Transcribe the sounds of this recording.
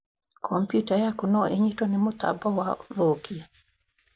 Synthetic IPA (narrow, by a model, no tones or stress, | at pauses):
kʰɔmpjutajakunɔʔeɲitonɪmʊt̪a̰bɔwaðokia